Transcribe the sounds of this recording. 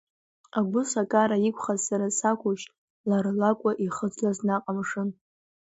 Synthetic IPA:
aɡʷʊsakʼaɾaikʷʰʼχazsaɾasakʷʰʊʃ | laɾlakʷʼaʔiχəd͡zlaznaqʼamʂɨn

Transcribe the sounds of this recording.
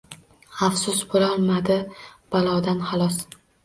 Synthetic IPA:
afsʊsbʊɾɒlmad̪ɪb̥alˠɒd̪anhalˠɒs

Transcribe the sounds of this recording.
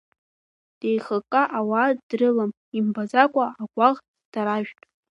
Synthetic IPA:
d̥e̞jχakʼaʔawaːdrɨlam | imbazakʷʼaaɡʷʼaʁ | d̥aɾaʒᶣtʼ

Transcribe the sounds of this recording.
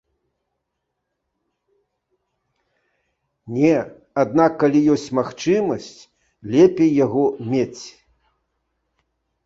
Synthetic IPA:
nʲɛ | ad̪nakːalʲijɔsʲt͡sʲmaxt͡ʂɨmɐsʲt͡sʲ | lʲɛpʲejːaɣɔmʲet͡sʲ

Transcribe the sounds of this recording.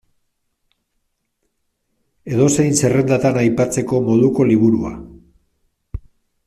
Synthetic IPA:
e̞ð̞o̞se̞jnse̞re̞nd̪at̪anajpat͡se̞ko̞mo̞ðuko̞liβ̞uɾua̰

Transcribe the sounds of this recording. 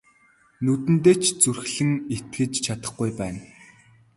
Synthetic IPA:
nɵt̪ɘ̆nt̪eːt͡ɕʰt͡surxɮɘ̆ŋet̪̚ɡɘ̆t͡ɕt͡ɕʰat̪ə̆χɡujpæːn

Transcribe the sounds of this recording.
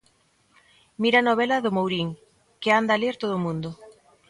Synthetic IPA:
miɾanoβɛlɐðʊmowɾiŋ | kɪand̪ɐleɾt̪oðʊːmũnd̪ʊ

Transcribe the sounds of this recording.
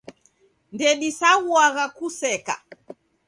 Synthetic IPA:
ndɛɗisaɣuaɣakusɛka̰

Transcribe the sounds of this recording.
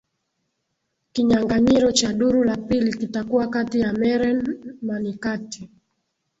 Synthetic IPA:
kiɲaŋɡaɲiɾɔt͡ʃaɗuɾulapilikitakuwakatijamɛɾɛnmanikati

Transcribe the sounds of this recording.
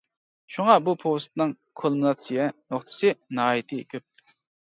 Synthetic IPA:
ʃuŋɑbupʰost̪nɨŋ | kʰolˠmunɑt̪sijɛnoχt̪ʰɨ̥sɨnɑːjit̪ʰɨkʲʰøp̚

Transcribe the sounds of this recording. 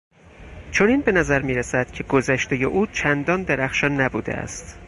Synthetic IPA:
t͡ʃʰo̞niːnbe̞næzæɾmiːɾesæd̪̥cʰe̞ɡo̞zæʃt̪e̞je̞ʔuːt͡ʃʰænd̪ɒnd̪eɾæxʃɒnːæbuːd̪ḛæ̰st̪

